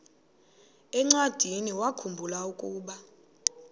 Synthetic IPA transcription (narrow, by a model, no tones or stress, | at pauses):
ɛŋ͡ǀad̥ʱiniwakʰumbʱulaukʼuːɓa